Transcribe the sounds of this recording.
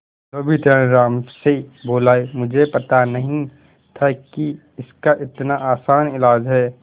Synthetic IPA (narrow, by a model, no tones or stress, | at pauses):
d͡ʒoːbʱit̪ɾənɾaːmseboːlaːemʊd͡ʒʱepɐt̪anɐɦĩ | t̪ʰɐki | ɪskaʔɪt̪naʔaːsaːnɪlaːd͡ʒɦɛː